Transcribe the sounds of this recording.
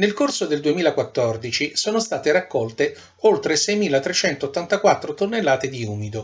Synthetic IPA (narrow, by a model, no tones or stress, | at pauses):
nelkorsod̪eld̪uemiːlakwat̪ːɔrd̪it͡ʃisoːnost̪aːt̪eɾakːɔlt̪e | olt̪ɾesɛjmiːlat̪ɾet͡ʃɛnt̪oːt̪ːant̪akwat̪ːɾot̪onːelːaːt̪ed̪iuːmid̪o